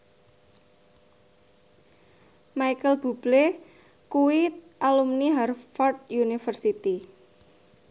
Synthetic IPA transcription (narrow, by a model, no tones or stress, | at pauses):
majkəlb̥ub̥le | kuwiʔalumniɦarfɔrt̪̚junifərsit̪i